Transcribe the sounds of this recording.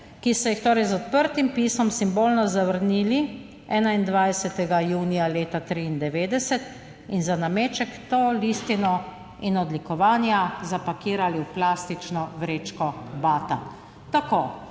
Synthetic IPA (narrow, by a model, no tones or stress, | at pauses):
kisɔjixt̪oːɾɛjzɔt̪̚pəɾt̪impiːsɔmsimboːlnɔzaʋəɾniːli | ɛːnaind̪ʋajsɛt̪ɛɡajuːnijaleːt̪at̪ɾiːnd̪ɛʋeːd̪ɛsɛt̪ | inzanameːt͡ʃɛkt̪oːliːst̪inɔ | inɔd̪likɔʋaːnjazapakiːɾaliwplaːst̪it͡ʃnɔʋɾeːt͡ʃkɔbaːt̪a̰ | t̪akoː